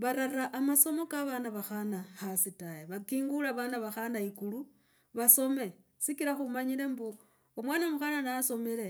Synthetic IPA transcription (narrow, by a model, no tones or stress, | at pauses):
βaɾaraʔːmaso̞mo̞kaβanaβaxanahasitajeβakiːŋɡulaβanaβaxanaikulu | βaso̞me̞sikiɾaxumaɲile̞mbu | omwaːnamuxananaso̞miɾe̞